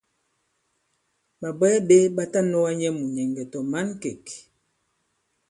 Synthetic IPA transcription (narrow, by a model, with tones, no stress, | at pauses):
ba˨bɛ˦be˦ba˦ta˦nɔ˦wa˦ɲɛ˦mu˨ɲɛ˨ŋɡɛ˨tɔ˨ma˦nke˨k